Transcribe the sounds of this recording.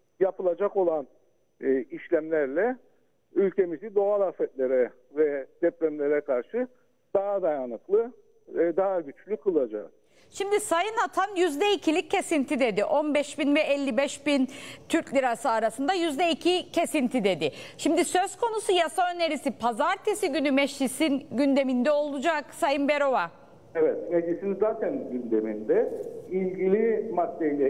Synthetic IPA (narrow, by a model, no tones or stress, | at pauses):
japʰɯlˠad͡ʒako̞lˠanː | iʃlʲæmlʲæɾlʲɛ | ylʲce̞mizid̪oalˠafɛt̪lʲeɾɛ | vɛd̪̥ɛpɾæmlʲe̞ɾɛkʰaɾʃɯ | d̪̥aɦad̪ajanɯklˠɯ | ɛd̪aɦaɟyt͡ʃlʲykʰɯlˠad͡ʒa̰ | ʃimd̪isajɯnat̪ʰanjyzd̪ɛicʰilʲic̚ʰcʰːe̞sint̪ʰid̪e̞d̪iʔo̞nbɛʃbinvɛɛlʲːibɛʃbint̪ʰyɾclʲiɾasɯaɾasɯnd̪ajyzd̪ɛicʰicʰe̞sint̪ʰid̪e̞d̪ɪʃimd̪isøz̥kʰo̞nusujasaø̞ne̞ɾisipʰazaɾt̪ʰesiɟynymɛʃlisinɟynd̪e̞mind̪ɛo̞lˠud͡ʒaksajɯnbe̞ɾo̞va | evɛt̪med͡ʒʲisinizaːt̪ʰænɟynd̪e̞mind̪ɛilʲɟilʲimad̪ːelʲɛ